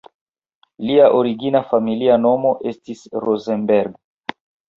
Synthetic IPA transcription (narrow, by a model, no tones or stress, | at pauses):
liaʔoɾiɡinafamiliano̞mo̞ʔe̞stisɾozenbeɾɡ